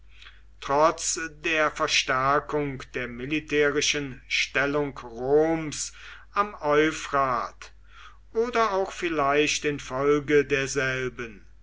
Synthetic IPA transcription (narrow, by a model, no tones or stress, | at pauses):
tʁ̥ɔt͡sdeːɐfɛɐʃtæɐkʊŋkd̥eːɐmɪlitʰɛːʁɪʃənʃtɛlʊŋkʁoːms | amɔʏfʁaːt | ʔoːdɐaʊxfɪlaɪʃtɪnfɔlɡədeːɐzɛlbən